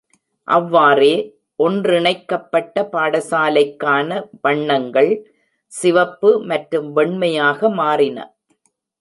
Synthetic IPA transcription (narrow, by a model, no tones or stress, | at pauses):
ʔɐʋːaːreː | ʔɔndrɪɳɐɪkːɐpːɐʈːɐpaːɽɐsaːlɐɪkːaːnɐʋɐɳːɐŋɡɐɭ | sɪʋɐpːɯmɐʈɾɯmʋɛɳmɐjaːɣɐmaːrɪnɐ̰